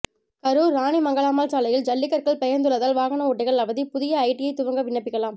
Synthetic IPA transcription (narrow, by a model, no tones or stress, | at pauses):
kɐɾuːɾːaːɳimɐŋɡɐɭaːmaːlt͡ʃaːlɐjɪld͡ʒɐlːɪkːɐɾkɐɭpɐjɐnd̪ɯɭɐðaːlʋaːɣɐnɐɔʈːɐɪɣɐɭɐʋɐðipʊðɪjɐːɪʈːɪjɐɪt̪ːʊʋɐŋɡɐʋɪɳːɐpːɪkːɐlaːm